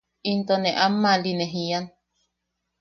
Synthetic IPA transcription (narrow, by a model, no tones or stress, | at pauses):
int̪oneʔamːalineɦian